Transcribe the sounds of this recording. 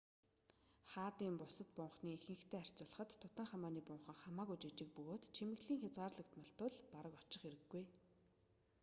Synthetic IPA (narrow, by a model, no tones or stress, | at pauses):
χaːt̪iːmpʊsə̆t̪̚pʊɴχniːexɘ̆ŋɡɘ̆kt̪ʰeːar̥ʲt͡sʊɮə̆χə̆t̪ʰːʊt̪ə̆ŋχamaːniːpʊɴχə̆ŋχamaːɣujt͡ɕet͡ɕɪ̆k̚pɵɣoːt̪t͡ɕʰimɘ̆ɣɮiːŋxʲat͡sʁaːrɮə̆kt̪mə̆ɬt̪ʊɮpaɾə̆kɔt͡ɕɪ̆χeɾɘ̆ɡːuj